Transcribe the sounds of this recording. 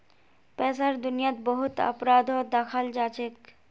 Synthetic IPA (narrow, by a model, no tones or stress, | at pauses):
pɛːsaɾd̪ʊnijat̪bəɦʊt̪ɐ̰pɾaːd̪ɔːd̪akʰald͡ʒaːt͡ʃeːk